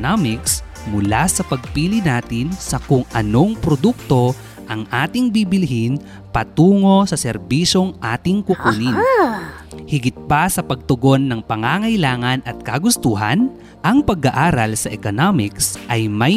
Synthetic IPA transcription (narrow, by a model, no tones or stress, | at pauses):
amɪks | mʊlasɐpɐɡ̚piːlɪnaːt̪ɪnsɐkʊŋɐno̞ŋpɾod̪uk̚t̪o̞ | ʔɐŋʔaːt̪ɪŋbibɪlɦin | pɐt̪uːŋo̞sɐsɛɾbiʃo̞ŋʔaːt̪ɪŋkʊkuːnin | hɪɡɪt̪̚pasɐpɐɡ̚t̪ʊɡo̞nːɐŋpɐŋaŋɐjlaːŋɐnɐt̪̚kɐɡʊst̪uːɦɐ̰n | ʔɐŋpɐɡaʔaːɾɐlsɐʔɛkonamɪksʔɐjmɐj